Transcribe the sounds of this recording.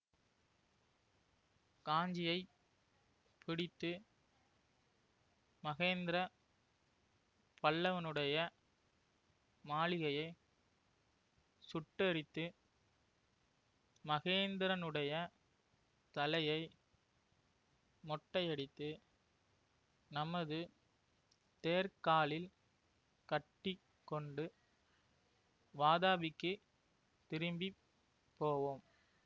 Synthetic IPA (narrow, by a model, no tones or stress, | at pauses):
kaːɲd͡ʒɪjɐɪ | pɪɽɪt̪ːɯ | mɐɣeːnd̪ɪɾɐ | pɐɭːɐʋɐnɯɽɐjɐ | maːɭɪɣɐjɐɪ | sʊʈːɐɾɪt̪ːɯ | mɐɣeːnd̪ɪɾɐnɯɽɐjɐ | t̪ɐlɐjɐɪ | mɔʈːɐɪjɛɽɪt̪ːɯ | nɐmɐðɯ | t̪eːɾkaːɭɪl | kɐʈːɪ | kːɔɳɖɯ | ʋaːðaːbɪkːɯ | t̪ɪɾɯmbi | pːoːʋoːm